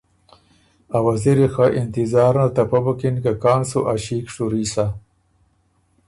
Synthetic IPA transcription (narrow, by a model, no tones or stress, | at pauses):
awaziɾixaʔɪnt̪izaːɾnat̪ɐpabukinkakaːnsuʔaɕiːkʂuɾiːsa